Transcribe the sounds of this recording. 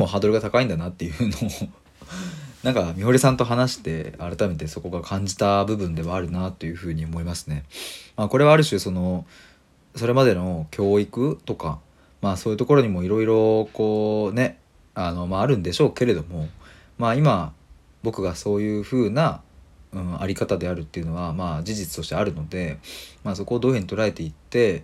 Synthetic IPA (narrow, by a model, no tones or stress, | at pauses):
mo̞ɦad̪o̞ɾɯ̟ɡat̪akaĩnd̪anat̪ːe̞jɯɯno | nãŋkamʲiɦo̞ɾʲisãnt̪o̞ɦanaɕi̥t̪e̞̰aɾat̪ame̞t̪e̞so̞ko̞ɡakʰãɲ̟d͡ʑi̥t̪abɯ̟bɯ̟̃nd̪e̞βaːɾɯ̟nat̪ːe̞jɯ̟ɸɯ̟ːɲ̟io̞mo̞imasɨ̥ne̞maːko̞ɾe̞βaːɾɯ̟ɕɨːso̞no̞ | so̞ɾe̞mad̪e̞no̞kʲʰo̞ːikɯ̟t̪o̞ka | maːso̞ːjiɯ̟t̪o̞ko̞ɾo̞ɲ̟imo̞iɾo̞iɾo̞ko̞ːne̞ | ano̞maːɾɯ̟̃nd̪e̞ɕo̞ːke̞ɾe̞d̪o̞mo̞ | maːima | bo̞kɯ̟ɡaso̞ːjɯ̟ːɸɯ̟ːnaɯ̟̃ɴa̰ɾʲikat̪ad̪e̞aɾɯ̟t̪ːe̞iɯ̟noβamaːd͡ʑiʑit͡sɨ̥t̪o̞ɕi̥t̪e̞aɾɯ̟no̞d̪e̞maːso̞ko̞ːd̪o̞ːheɲ̟ːit̪o̞ɾae̞t̪e̞it̪ːe̞